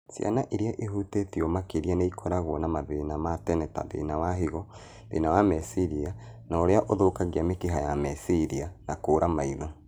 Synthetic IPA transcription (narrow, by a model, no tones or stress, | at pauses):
sja̰naʔeɾiaʔeɦutetiomakeɾianeikʰɔɾaɣwɔnamaðenamatɛnɛta̰ðḛːnawaɦiɣɔ | ðḛːnawamɛsiɾianaoɾeaʔoðokaɣiamekeɦajamɛsiɾianakoːɾamaiðɔ